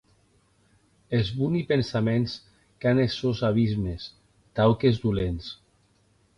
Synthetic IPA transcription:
ezβunipensamens | kanesozaβizmes | t̪awkezd̪ulens

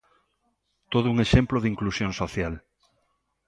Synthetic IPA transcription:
t̪oð̞ʊuŋeʃemploðiŋklusjoŋsoθjal

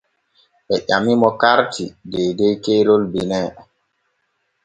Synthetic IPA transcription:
ɓɛʔamimɔkaɾtʰideːdejkeːɾolbinɛ

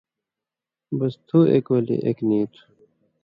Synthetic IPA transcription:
bɐst̪ʰuḛkwɐlḭʔekniːt̪ʰu̥

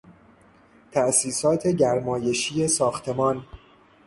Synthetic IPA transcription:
t̪ʰæʔsiːsɒːt̪ʰe̞ɟæɾmɒːje̞ʃiːe̞sɒːxt̪ʰe̞mɒːn

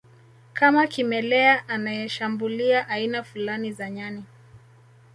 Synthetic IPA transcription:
kamakimɛlɛaʔanajɛʃambuliaʔainafulanizaɲani

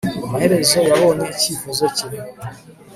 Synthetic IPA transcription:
amahe̞ɾe̞zo̞jaβo̞neiciːfozo̞ciɾio

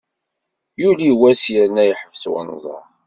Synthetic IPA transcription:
juliwæsjəɾnæjħəvswə̰nzˤɑ̰

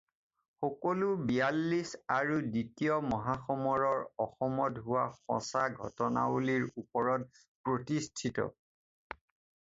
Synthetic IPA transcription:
xɔkɔlubijalːisaɹuditijɔmɔɦaxɔmɔɹɔɹɔxɔmɔtɦʊwaxɔ̰̃saɡʱɔ̰tɔna̰uliɹupɔɹɔt̚ | pɹotistʰitɔ̰

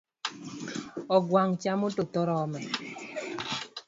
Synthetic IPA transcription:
ɔɡwaŋt͡ʃamotot̪ɔɾɔmɛ

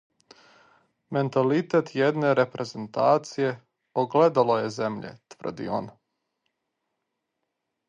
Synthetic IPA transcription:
me̞nt̪alit̪et̪jed̪ne̞ɾepɾʔezent̪aːt̪sije̞ | oɡled̪alojezemʎḛt̪ʋr̩d̪ḭo̰n

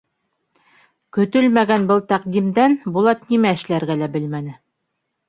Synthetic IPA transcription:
kɵ̆t̪ɵlmæɡænbɤlˠt̪æqd̪imd̪ænbulˠɑt̪nimæɘ̆ʃlæɾɡælæbɘlmænɘ

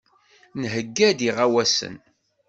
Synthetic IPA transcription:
nɦəɡːæd̪iʁæwæsə̰n

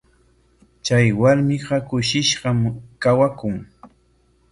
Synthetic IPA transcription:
t͡ʃajwaɾmɪɢɑkʊʃɪʃɢɑmkawakʊŋ

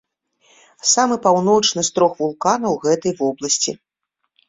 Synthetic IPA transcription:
samɨpawnɔt͡ʂnɨst̪ɾɔxvulˠkanɐwɣɛt̪ɐjvɔblˠɐsʲt͡sʲḭ

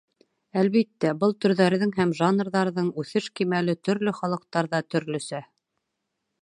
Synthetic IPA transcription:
ælβit̪ːæbɤlˠt̪ɵ̆ɾðæɾðɘŋɦæmʒanrðɑɾðɤɴʉθɘʃkimælɘt̪ɵ̆ɾlɵχɑlˠɤ̆q̚t̪ɑɾðɑt̪ɵ̆ɾlɵ̆sæ

